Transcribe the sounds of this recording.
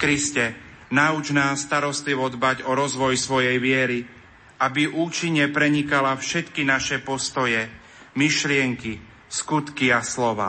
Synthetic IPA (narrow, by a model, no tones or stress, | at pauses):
kɾiscɛ | naut͡ʃnaːst̪aɾɔst̪liʋɔbaɟɔɾɔzʋɔjsʋɔjɛjʋɪɛɾi | abiʔuːt͡ʃiɲːɛpɾɛɲikalafʃɛt̪kinaʃɛpɔst̪ɔjɛ | miʃlɪɛŋki | skut̪kiaslɔʋa̰ː